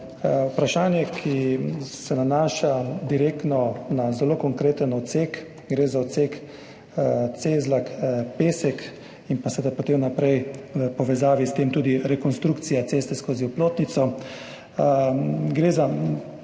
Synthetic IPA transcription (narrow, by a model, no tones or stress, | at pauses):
upɾaʃaːnjɛkʰisɛnanaːʃad̪iɾekt̪nɔnazɛloːkɔŋkɾeːt̪ənɔt̪sek | ɡɾeːzaɔt̪sek | t̪seːzlakpeːsɛk | inpasɛɛd̪apɔt̪emnapɾɛjəpɔʋɛzaːʋist̪eːmt̪uːd̪iɾɛkɔnst̪ɾukt̪sijat̪seːst̪ɛskoːziuploːt̪nit̪sɔ | ɡɾeːza